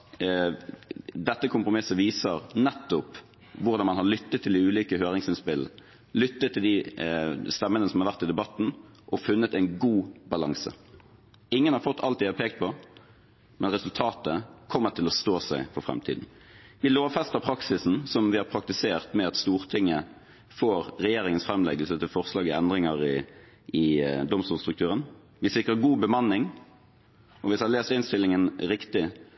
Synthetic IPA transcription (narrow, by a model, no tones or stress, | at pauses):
d̪ɛt̪ːəkʰʊmpʁʊmɪsəʋiːsəʁnɛt̪ːʊp | ʋʊʁd̪ɑnmɑnhɑʁlʏt̪ːət̪ʰːɪlɪʉːliːkəhøːɾɪŋsɪnspɪl | lʏt̪ːət̪ʰːɪld̪ɪ | st̪ɛmːənəsɔmhɑɾʋæʁt̪ːɪd̪ɛbɑt̪ːn̩ʔɔfʉnːət̪ɛɪnɡuːbɑlɑŋsə̰ | ɪŋːənhɑɾfɔt̪ːɑ̰lt̪d̪ɪhɑpʰeːk̚t̪̚pʰɔ | mɛnʁɛsʉlt̪ʰɑːt̪əkʰɔmːəʈ̪ʰɪlɔst̪oːsæɪfɔɾfʁɛ̰mt̪ʰiːd̪n̩ | ʋɪloːʋfɛst̪əʁpʰɾɑksɪsn̩sɔmʋɪhɑɾpʰɾɑk̚t̪ɪseːʁt̪mɛɑt̪st̪uːʁt̪ʰɪŋːə | foːɾɾɛjeːɾɪŋənsfɾɛmlɛ̰ɡəlsət̪ʰɪlfɔʁslɑːɡɪɛnd̪ʁɪŋɑʁɪ | ɪd̪ɔmst̪uːlst̪ʁʉk̚t̪ʉːʁən | ʋɪsɪkʁəɡuːbəmɑnːɪŋ | ɔʋɪsɑɑleːst̪ɪnst̪ɪlːɪŋənɾɪkt̪ɪ